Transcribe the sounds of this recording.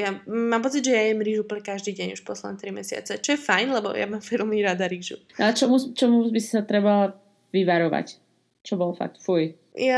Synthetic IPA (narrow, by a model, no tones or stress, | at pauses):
jamaːmpɔt͡siɟʒɛjajɛmɾiːʒuːplɲɛkaʒd̪iːɟɛɲuʃpɔslɛd̪nɛt̪ɾimɛsɪa̰t͡sɛt͡ʃɔjɛfajnlɛbɔ̰ja̰maːmfɛlmiɾad̪aɾiːʒṵat͡ʃɔmuzt͡ʃɔmubisi̥sat̪ɾɛbala | ʋiʋaɾɔʋa̰c | t͡ʃɔbɔlfa̰k̚t̪fuj | ja